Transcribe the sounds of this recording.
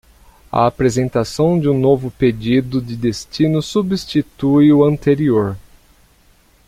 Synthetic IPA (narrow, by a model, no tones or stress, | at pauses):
ɐ̰apɾezẽnt̪asɐ̃w̃d͡ʒɪũnovʊped͡ʒid̪ʊd͡ʒɪd̪est͡ʃinʊsubst͡ʃit̪ujʊɐ̃nt̪eɾioɾ